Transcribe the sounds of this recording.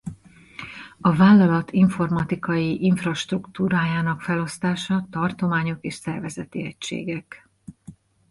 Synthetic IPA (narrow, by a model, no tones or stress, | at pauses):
ɒvaːlːɒlɒt̪ʰiɱfo̞rmɒt̪ikɒjiʔiɱfrɒʃt̪rukt̪uːɾaːjaːnɒkfɛlo̞st̪aːʃɒt̪ɒrt̪o̞maːɲo̞keːʃsɛrvɛzɛt̪iɛcʃḛːɡɛk